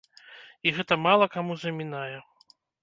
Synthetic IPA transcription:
iɣɛt̪ɐmalˠɐkamuzɐmʲinajɛ

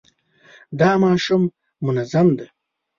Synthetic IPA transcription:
d̪ɑːmɑːʃumː | ʊnazamd̪e

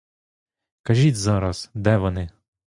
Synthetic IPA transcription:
kɐʒʲit͡sʲzɑɾɐsd̪ɛʋɔnɪ

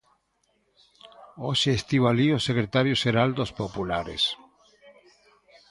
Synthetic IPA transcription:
oʃeːst̪iβaliosekɾet̪aɾjoʃeɾald̪ospopulaɾḛs

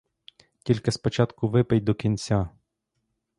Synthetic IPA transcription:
kʲilʲkɪspɔt͡ʃɑt̪kʊʋɪpɛj̚ʲd̪ɔkʲinʲt͡sʲa

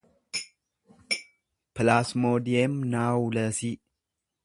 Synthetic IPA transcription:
pɨlasmod̪iemnawləsi

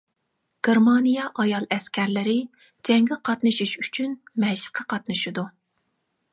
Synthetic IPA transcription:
ɡ̥ʲeɾmɑnijɛʔɑjɑlˠɛskʲɛɾlɪɾɪ | d͡ʒɛŋɡʲɪqʰɑt̪nɨʃiʃyt͡ʃʰynmɛʃɪ̥qʰɑqʰɑt̪̚nɨʃid̪u

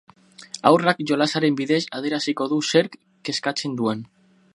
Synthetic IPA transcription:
a̰wrakʝo̞lasaɾe̞mbiðe̞saðe̞ɾasiko̞ðuse̞ɾk | ke̞skat͡se̞nd̪ue̞n

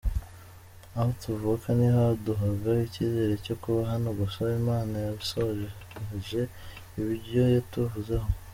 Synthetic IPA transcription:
ahotuvukʰanihaaduɦaɡaiciːze̞ɾe̞co̞kuβaɦanoɡusoimaːnajaβisoʒ | ʒe̞ | iβiɾɟo̞jotuvuzeho

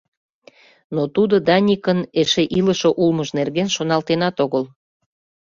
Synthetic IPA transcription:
not̪ud̪od̪ɑnʲikəneʃeʔiləʃoʔulməʃnerɣenʃonɑlt̪enɑt̪oɣəl

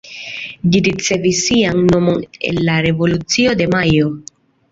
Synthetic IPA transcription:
ʎiɾit͡se̞visiaŋno̞mo̞nḛnːaɾe̞vo̞lut͡sio̞d̪e̞majo

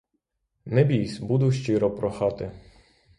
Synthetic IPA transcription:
nɛbʲijsʲbud̪ʊʃt͡ʃɪɾɔpɾɔxɑt̪ɪ

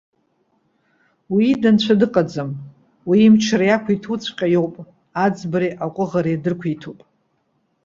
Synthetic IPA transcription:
wiːdant͡ɕʷʰadɨqʼad͡zam | wiːmt͡ʃʰaɾajakʷʰitʰut͡sʷʰqʲʼajowpʼ | ad͡zbaɾiʔakʷʼʊʁaɾajdɨrkʷʰitʰupʼ

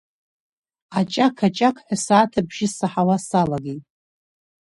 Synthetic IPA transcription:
at͡ʃʼakʰat͡ʃʼakʰħʷasaːtʰabʒ̥ɪsaħawasalaɡʲitʼ

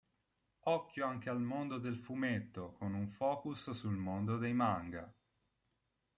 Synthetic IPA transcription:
ɔkːjoaŋk̟ealmond̪od̪elfumet̪ːokonuɱfɔːkussulmond̪od̪ejmaŋɡa̰

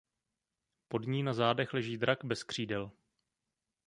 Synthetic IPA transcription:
po̞dɲiːnazaːdɛxlɛʒiːdɾʔaɡbɛskr̝̥iːdɛl

